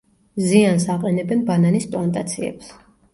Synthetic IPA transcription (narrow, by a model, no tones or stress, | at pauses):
ziansaqʼɛnɛbɛnbananispʼlˠant̪ʼat̪sʰiɛ̰ps